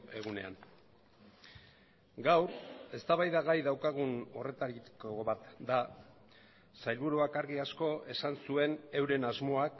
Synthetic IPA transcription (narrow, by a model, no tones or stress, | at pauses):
e̞ɣune̞̰a̰n | ɡawɾe̞st̪aβajðaɣajðawkaɣ̞uno̞re̞t̪aɾikoβat̪d̪a | sajlβuɾuakaɾɣiasko̞ʔe̞sansue̞ne̞wɾe̞nazmo̞ak